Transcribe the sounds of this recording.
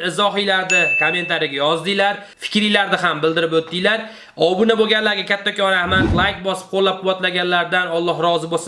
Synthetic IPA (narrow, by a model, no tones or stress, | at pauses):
ɪzɒɦijlaɾd̪ɪkʰome̞nt̪ʰaɾɪɡʲajɒzd̪ɪlaɾ | fɪ̥kʲɾijlaɾd̪ɪɦambɪld̪ɪɾɪpɵt̪ːɪjlaɾ | ɒbɪnaboɡʲanlaɾɡʲakʲʰat̪ʰːakɒahmanlˠajk̚bɒsɪ̥p̚qʰolˠːap̚qʰʊwat̪laɡʲanlaɾd̪anɒlˠːɒɦɾɒzɪbosɪ